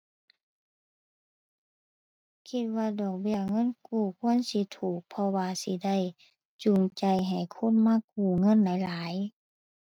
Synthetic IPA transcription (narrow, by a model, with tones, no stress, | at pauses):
kʰi˧t̪̚waː˧dɔː˨˩k̚bi˧˩əŋɤ˧˥˨nkuː˧˩kʰu˧˥ə˨nsi˧˦t̪ʰuː˨˩k̚pʰɔ˧waː˧si˧˦da˥˩˨j | t͡ɕu˨˩ŋt͡ɕa˧˩jɦa˨˩jkʰo˧˥˨nmaː˧˥˨k̚uː˧˩ŋɤ˧˥˨nda˧˥˩jlaː˨˦j